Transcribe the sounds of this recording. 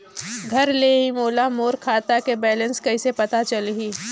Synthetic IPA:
ɡʱɐɾleːɦĩmoːlamoːɾkʰaːt̪akebɛːlənskɐɪsepɐt̪at͡ʃɐlɦiː

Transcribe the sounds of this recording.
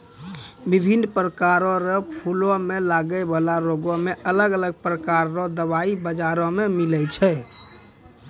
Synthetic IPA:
bibʱinːpɾəkaɾɔɾɔpʰulɔmelaɡəbəlaɾoɡɔmeʔələɡələɡ̚pɾəkaɾːɔd̪əβaibəd͡ʒaɾɔ̃memilɛt͡ʃʰɛ

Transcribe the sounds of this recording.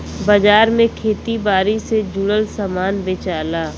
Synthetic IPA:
bad͡ʒaːɾmẽkʰeːt̪ibaːɾised͡ʒʊɽəlsaːmaːnbeːt͡ʃaːlaː

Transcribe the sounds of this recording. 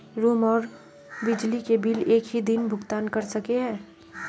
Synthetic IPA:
ɾoːmɔːɾ | bɪd͡ʒlikebileːkɦid̪ɪnbʱʊɡt̪aːnkɐɾsɐkeɦɛ̃ː

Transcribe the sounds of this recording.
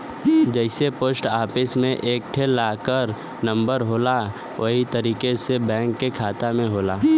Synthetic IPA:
d͡ʒəɪsepoːsʈaːpʰɪsmẽʔeːk̚ʈʰelaːkəɾ | nə̃mbəɾɦoːla | ʋɐɦit̪əɾiːkesebɛ̃ːŋkːekʰaːt̪amẽɦoːlaː

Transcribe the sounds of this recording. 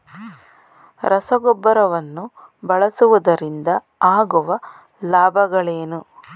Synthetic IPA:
ɾʔɐsɐɡɔbːɐɾɐʋɐnːubɐɭɐsuʋud̪ɐɾind̪ɐ | aːɡuʋɐ | laːbʱɐɡɐɭeːnu

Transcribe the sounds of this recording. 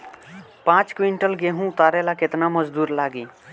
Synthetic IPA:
pãːt͡ʃkwiɳʈəlɡeɦũʊt̪aːɾelakɪt̪naməd͡ʒd̪uːɾlaːɡiː

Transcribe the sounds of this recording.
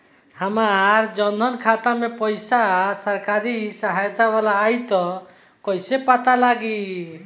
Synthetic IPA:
həmaɾd͡ʒɔnd̪ʱɔnkʰat̪amepɔjsasəɾkaɾisəɦajt̪aʋalaːjt̪ɔ | kɔjsepat̪alaɡi

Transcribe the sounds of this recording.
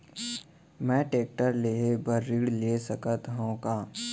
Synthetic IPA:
mɛ̃ːʈeːk̚ʈəɾleɦebəɾːɪɽlesəkət̪ɦõkaː

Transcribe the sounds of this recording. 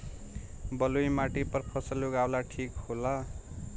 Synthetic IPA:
bʌlujmaʈipʌrpʰʌsʌluɡawlaʈʰikhola

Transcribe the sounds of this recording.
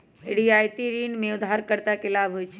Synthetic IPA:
eɽiajt̪iɾiːnmẽʊd̪ʱɦaɾkəɾt̪akɪlaːbɦojt͡ʃʰ

